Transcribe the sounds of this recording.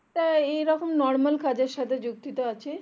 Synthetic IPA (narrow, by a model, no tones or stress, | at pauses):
ʈaejɾɔkomnɔɾmalkʰad͡ʑeɾʃat̪ʰed͡ʑuk̚t̪it̪oat͡ɕʰe